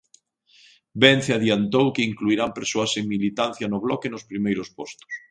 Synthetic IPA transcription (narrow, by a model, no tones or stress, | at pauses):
benθaðjant̪owkeiŋkluiɾampeɾsoɐseŋmilit̪an̟θjɐnʊβlɔkenospɾimejɾʊspɔst̪ʊ̥s